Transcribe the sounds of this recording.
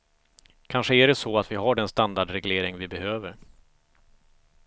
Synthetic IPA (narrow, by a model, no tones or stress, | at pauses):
kʰanʂəæɖɛsɔat̪vɪɦaɖɛnst̪and̪aɖɾɛɡleːɾɪŋvɪbɛhøːvəɾ